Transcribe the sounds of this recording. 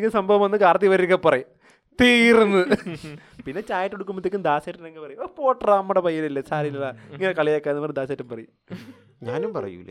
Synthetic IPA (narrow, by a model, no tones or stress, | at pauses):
ikʲːinsɐmbʱɐʋɐmʋɐnːɨkaːɽɐt̪ːiʋɐɾɾikːɐpːɐrɐju | t̪iːrunːɨ | pinːe̞t͡ɕaːjʈːeɽukːumːbot̪ikʲːimd̪aːsɐːʈːɐnɐŋɡɐpɐrɐjuopoːʈraːmːɐɽɐpɐjːɐlilːesaːɾilɐɭaiŋːɐnekɐɭijakːaːnɨpɐrɐd̪aːs̬aːʈːumpɐrɐju | ɲaːnumpɐ̰rɐ̰jṵl̰